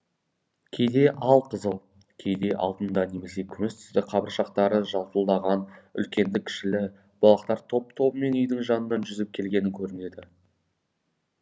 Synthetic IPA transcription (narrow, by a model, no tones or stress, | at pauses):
kʲʰe̞jd̪e̞ʔɑlˠqʰəzəlˠ | kʲʰe̞jd̪e̞ʔɑ̰lˠd̪ənd̪ɑne̞me̞se̞kʲʰʏmɪst̪ʰʏ̥st̪ɪqʰɑbəɾʃɑqt̪ɑɾəʒɑlˠpəlˠd̪ɑʁɑnʏ̰lkʲe̞nd̪ɪkʲʰɪ̥ʃɪlɪ | b̥ɑlˠɑqt̪ɑɾt̪ʰo̞p̚t̪ʰo̞bəme̞nʏjd̪ɪŋʒɑnənɑnʒʏzɪp̚kʲʰe̞lɡʲe̞nɪŋkʲʰɵɾɪne̞d̪ɪ